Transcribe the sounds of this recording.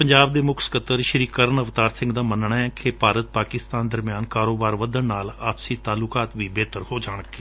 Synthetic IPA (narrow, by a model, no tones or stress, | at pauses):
pəɲd͡ʒaːbd̪eːmʊkʰsə̥kət̪əɾʃəɾiːkəɾnəʋt̪aːɾsɪ̃ŋɡd̪aːmənɳaːɛːkʰeːpaːɾət̪̚paːkɪst̪aːnd̪əɾmijaːnkaːɾoːbaːɾʋəd̪ənnaːlaːpsiːt̪aːlʊkaːt̪ʋiːbeːt̪əɾhoːd͡ʒaːɳ̃əkːe